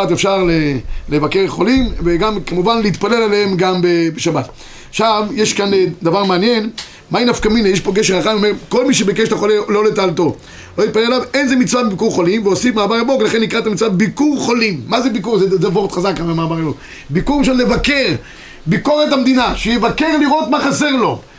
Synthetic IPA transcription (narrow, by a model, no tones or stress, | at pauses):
at̪efʃaʁlelevakeʁeχo̞limveɡamkamuvanleit̪palelaleemɡambebeʃabat̪ | aʃavjeʃkand̪avaʁmeanje̞n | mainafkaminejeʃpo̞ɡeʃeʁaχajmomeʁko̞lmiʃ̬ebekeʃteχolelolet̪aːlt̪o̞ | lo̞jit̪̚palelalavenzemit͡svabebikuʁχo̞limveosifmaːmaʁabo̞klaχenːikʁaet̪amit͡svabebikuʁχo̞limːazebikuʁzezavoʁt̪χazakaamaːmaʁabok | bikuʁʁiʃonlevake̞ʁ | biko̞ʁetamd̪inaʃejevakeʁliʁo̞t̪maχase̞ʁlo̞